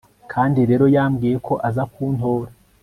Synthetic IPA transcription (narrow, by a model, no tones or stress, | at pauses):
kʰaːndiɾe̞ːɾo̞jaːmɡiːje̞kʰo̞ʔazakʰuːnto̞ːɾa